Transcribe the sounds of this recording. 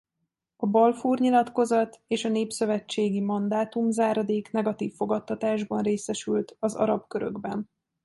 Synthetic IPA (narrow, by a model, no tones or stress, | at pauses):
ɒbɒlfuːrɲilɒt̪ko̞zɒt̪eːʃɒneːpsø̞vɛt͡ʃːeːɡimɒnd̪aːt̪umzaːɾɒd̪eːknɛɡɒt̪iːfːo̞ɡɒt̪ːɒt̪aːʒbɒnreːsɛʃylt̪ɒzɒ̰ɾɒbkøɾø̞̰ɡbɛn